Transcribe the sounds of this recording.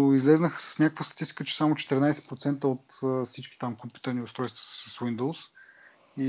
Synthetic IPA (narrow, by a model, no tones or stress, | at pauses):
izlɛznəxə̥sə̥snʲakəkvəst̪ɐt̪ist̪i̥kət͡ʃɛ̥samot͡ʃɛ̥t̪ɛɾnajsɛ̥pɾot̪sɛnt̪əot̪əfsit͡ʃki̥t̪amkompʲu̥t̪əɾniʊst̪ɾɔjst̪və̥səswind̪olˠs | i